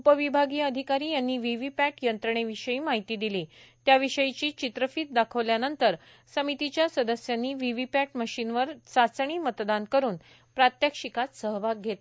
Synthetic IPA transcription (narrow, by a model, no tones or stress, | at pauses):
upəʋibʱaɡiːəd̪ʱikaɾiːjanːiːʋiʋipæʈjənt̪ɾəɳ̃eʋiɕəiːmaɦit̪iːd̪iliːt̪jaʋiɕəjit͡ɕiːt͡ɕit̪ɾəfit̪̚d̪akʰəʋljanənt̪əɾ | səmit̪it͡ɕjasəd̪əsjanːiːʋiʋipæʈ̚məɕinʋəɾt͡sat͡sɳ̃iːmət̪d̪ankəɾuːn | pɾat̪jəkʂikat̪səɦbʱaɡ̚ɡʱet̪